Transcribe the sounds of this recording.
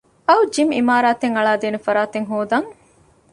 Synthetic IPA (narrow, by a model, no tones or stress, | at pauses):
ɐwd͡ʒimḭmaːɾaːt̪eŋɐɭaːd̪eːnufɐɾaːt̪eŋɦoːd̪ɐŋ